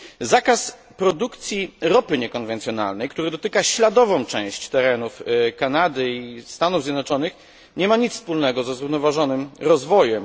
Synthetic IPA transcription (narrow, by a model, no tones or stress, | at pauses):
zakas | pɾɔd̪ukt̪sʲjiɾɔpɘɲɛkɔnvɛnt̪sʲjɔna̰lnɛjkt̪uɾɘd̪ɔt̪ɘkaɕlad̪ɔvɔ̃w̃t͡ʂɛ̃w̃ɕt͡ɕt̪ɛɾɛnufkanad̪ɘist̪anuvzʲjɛd̪nɔt͡ʂɔnɘx | ɲɛmaɲit̪sspulnɛɡɔzɛzɾuvnɔvaʐɔnɘmɾɔzvɔjɛm